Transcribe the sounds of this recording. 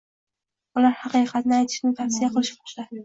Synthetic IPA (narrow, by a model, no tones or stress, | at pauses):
ʊlaɾhɑqɨjqʰɑt̪nɪajt̪ʰɪ̥ʃnɪŋt̪ʰafsijaqʰɨlˠɪʃbɒʃlad̪